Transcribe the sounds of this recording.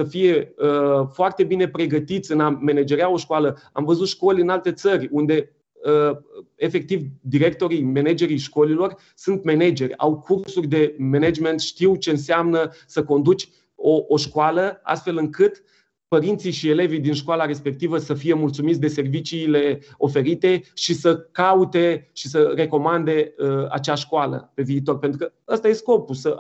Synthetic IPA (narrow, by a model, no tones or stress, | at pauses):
səfije̞əfoart̪e̞bine̞pɾe̞ɡət̪it̪sʲɨname̞ne̞d͡ʒe̞ɾeao̞ʃkoalə | a̰mvəzut̪ʃko̞lʲɨnalt̪e̞t̪sərʲund̪e̞ | əefe̞k̚t̪ivd̪iɾe̞k̚t̪o̞ɾijme̞ned͡ʒe̞ɾijʃko̞lilo̞r | sunt̪me̞ned͡ʒe̞rʲa̰wkʰursurʲd̪e̞mened͡ʒme̞nt̪ʃt̪iwt͡ʃe̞ɨnseamnəsəko̞nd̪ut͡ʃʲ | oʔːʃkoaləa̰st̪fe̞lɨŋkɨt̪ | pəɾint̪sijʃie̞le̞vijd̪inʃkoalaɾe̞spe̞k̚t̪ivəsəfije̞mult̪sumit̪sʲd̪e̞se̞rvit͡ʃiːle̞o̞fe̞ɾit̪e̞ʃisəkaut̪e̞ʃisəre̞ko̞mand̪e̞əa̰t͡ʃaʃkoalə̰pe̞viːt̪o̞rpent̪ɾukəast̪aje̞sko̞pusə